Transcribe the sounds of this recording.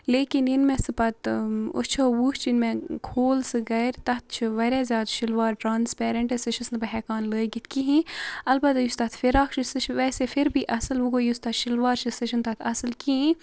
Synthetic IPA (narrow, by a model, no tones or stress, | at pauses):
leːkininmẽsɨpɐt̪o̰t͡ʃʰowuːʃt͡ʃʰɪnmẽkʰoːlsɨɡɐɾt̪ɐt̪̚ʰt͡ʃʰiʋɐɾʲaːzjaːd̪ʃɪlʋaːɾʈɾaːnspɛːɾɐɳʈɐseʃɐsnbɐɦɛːkaːnləːɡit̪ʰkiɦĩɐlbɐt̪just̪ɐt̪ʰfɪɾaːkt͡ʃʰisɨt͡ʃʰʋɛːsefʰɪɾbiʔɐsɨlʋuɡojust̪ɐːt̪ʃɪlʋaːɾt͡ʃʰɨseʃɐnt̪ɐt̪ʰɐsɨlkiĩ